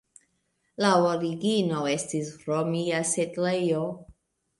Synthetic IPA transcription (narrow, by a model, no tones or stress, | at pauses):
laoɾiɡinoestisɾomiasetlejo